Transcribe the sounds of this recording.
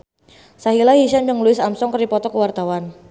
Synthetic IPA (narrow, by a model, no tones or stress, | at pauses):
saɦilahiʃand͡ʒəŋluɪsamsɔŋkərdipɔt̪ɔkəwart̪awan